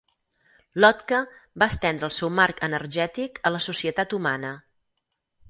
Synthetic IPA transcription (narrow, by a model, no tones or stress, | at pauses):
lɔt̪kəbaːst̪ɛnd̪ɾəːlˠsɛwmarkʰənərʒɛt̪ikələsusiət̪at̪umanə